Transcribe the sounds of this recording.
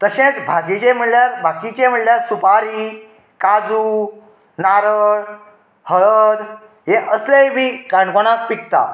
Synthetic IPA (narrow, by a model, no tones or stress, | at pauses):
t̪əɕẽt͡sbʱakit͡ɕem̤əɽljaɾbʱakit͡ɕem̤əʈljaɾsupaɾi | kad͡zuː | naɾəɽ | həəd̪ | ɦeʔəslejbiːkaɳkoɽ̃ak̚pik̚t̪a̰